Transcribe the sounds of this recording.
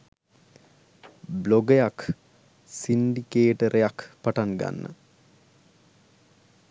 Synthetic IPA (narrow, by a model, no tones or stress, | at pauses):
bloɡəjak | sinɖikeːʈəɾʔejakpaʈaŋɡa̰nːə̰